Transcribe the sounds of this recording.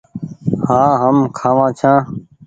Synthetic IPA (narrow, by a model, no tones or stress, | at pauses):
hãːɦəmkʰãːʋãːt͡ʃʰãː